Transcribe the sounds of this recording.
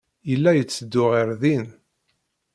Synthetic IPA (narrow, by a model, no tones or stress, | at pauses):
jəlːæjət͡sːəd̪ːʊʁiɾðin